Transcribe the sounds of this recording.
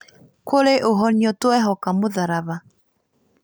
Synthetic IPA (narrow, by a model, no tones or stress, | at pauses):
koleʔoɦɔɲjɔtoɛɦɔkamoðaɾaβa